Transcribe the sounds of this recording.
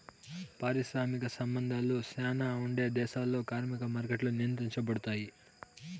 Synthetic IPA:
paːɾiʃɾaːmikɐsɐmbɐnd̪ʱaːlːusɛːnaːuɳɖe̞ːd̪ɛːʃaːlːo̞ːkaːɾmikɐmaːɾkeʈluninit̪̬iɲt͡ʃɐbɐɽut̪aːji

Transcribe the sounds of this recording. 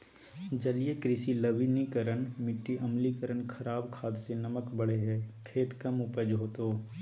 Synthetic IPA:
d͡ʒɐlijekɾɪsilɐbinikəɾənmɪʈːiʔɐmlikəɾənkʰɐɾaːbkʰaːd̪senɐməkbəɽeɦɛːkʰeːt̪kəmʊpəd͡ʒɦoːt̪oː

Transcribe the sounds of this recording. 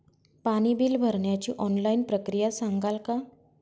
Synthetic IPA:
paɽ̃ibiːlbʱəɾɳjat͡ɕiːʔɔnlainpɾəkɾijasaŋɡalka

